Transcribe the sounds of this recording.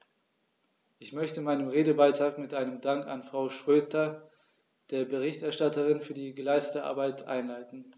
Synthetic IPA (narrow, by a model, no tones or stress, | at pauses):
ʔɪçmœçtəmaɪnəmʁeːdəbaɪtʁ̥aːkmɪtʔaɪnəmdaŋka̰nfʁ̥aʊʃʁ̥øːtɐ | d̥eːɐbəʁ̞ɪçtɛɐʃtatəʁɪnfyːɐdiːɡəlaɪstətəʔa̰ɐbaɪtʰʔa̰ɪnlaɪtn̩